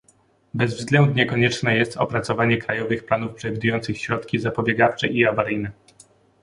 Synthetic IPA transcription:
bɛzvzɡlɛnd̪ɲɛkɔɲɛt͡ʂnɛjɛst̪ɔ̰pɾat̪sɔvaɲɛkɾajɔvɘxplanufpʂɛvʲid̪ujɔnt̪sɘxɕɾɔt̪kʲizapɔbʲjɛɡaft͡ʂɛ̰ʔiavaɾɘjnɘ

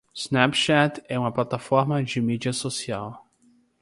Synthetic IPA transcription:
z̥nɛpʃat̪ɛũmɐplat̪afɔɾmɐd͡ʒɪmid͡ʒiɐsosiaw

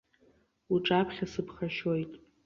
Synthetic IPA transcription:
uʈ͡ʂʼapʰχʲasɨpʰχaʃojtʼ

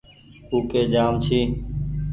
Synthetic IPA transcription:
uːkeːd͡ʒaːmt͡ʃʰiː

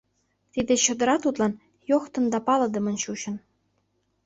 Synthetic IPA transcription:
t̪id̪eɕə̆d̪ə̆ɾɑt̪ut̪lɑn | joxt̪ə̆nd̪ɑpɑlɤ̆d̪ə̆mə̆nɕuɕə̆n

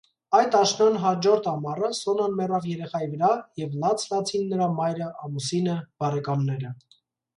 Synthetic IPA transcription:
ɑjt̪ɑʃnɑnɦɑd͡ʒɔɾt̪ʰɑmɑrəsɔnɑnmɛrɑvjɛɾɛχɑjivəɾɑjɛvlɑt͡sʰlɑt͡sʰinːəɾɑmɑjɾəɑmusinəb̥ɑrɛkɑnːɛɾə

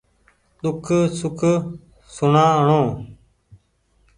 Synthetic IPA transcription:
ɗ̪ʊkʰsʊkʰ | sʊɳãːɦɳõː

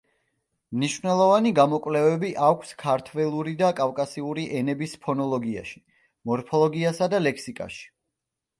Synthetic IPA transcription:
mniʃvnɛlˠɔvaniɡamɔkʼwlɛvɛbiʔakʷʰskʰaɾt̪ʰvɛlˠuɾid̪akʼafkʼasiuɾiʔɛnɛbispʰɔnɔlˠɔɡia̰ʃi̥ | mɔɾpʰɔlˠɔɡiasad̪alɛkʰsikʼa̰ʃi̥

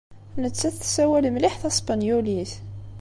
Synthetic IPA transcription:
nət͡sːæθsæwælmliħθæspɑnjulis

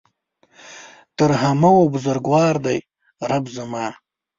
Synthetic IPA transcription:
t̪əɾɦamawobʊzaɾɡwɑːɾd̪aj | ɾabzamɑː

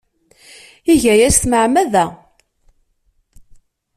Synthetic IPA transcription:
iʝæjæst̪məʕmæðæ

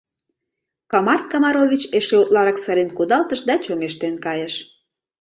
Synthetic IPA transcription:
kɑmɑrkɑmɑɾoβʲit͡ɕeʃeut̪lɑɾɑksəɾenkud̪ɑlt̪ə̆ʃd̪ɑt͡ɕoŋeʃt̪enkɑjəʃ

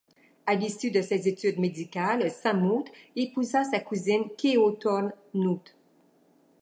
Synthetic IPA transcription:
alisyd̪əsezet̪yd̪med̪ikʲalsɛ̃mut̪epuzasakuzinkʲeot̪ɔn | nut̪

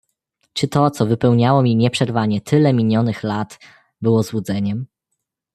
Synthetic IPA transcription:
t͡ʂɘt̪ɔt̪sɔvɘpɛwɲawɔmʲiɲɛpʂɛɾvaɲɛt̪ʰɘlɛmʲiɲɔnɘxlat̪ | bɘwɔzwud̪zɛɲɛm

